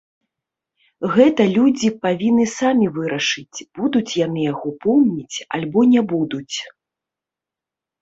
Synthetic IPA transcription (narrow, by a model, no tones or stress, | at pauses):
ɣɛt̪ɐlʲud͡zʲipavʲinːɨsamʲivɨɾɐʂɨt͡sʲb̥ud̪ut͡sʲjanɨjaɣɔpɔwmnʲit͡sʲa̰lʲbɔnʲɛbud̪ut͡sʲ